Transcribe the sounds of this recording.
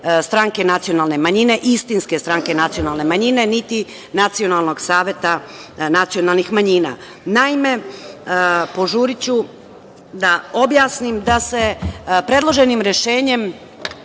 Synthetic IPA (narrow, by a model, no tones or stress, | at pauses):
st̪ɾaŋke̞nat̪sijo̞nalˠne̞maɲine̞ʔist̪inske̞st̪ɾaŋke̞nat̪sijo̞nalne̞maɲine̞nit̪i | nat̪sio̞nalˠno̞ɡsaːʋe̞t̪anat̪sio̞nalˠnixmaɲiːna̰ | naime̞ | po̞ʒuːɾit͡ɕu | d̪ao̞bjaːsnimd̪ase̞pɾe̞d̪lˠoʒe̞nimɾe̞ʃe̞ːɲe̞m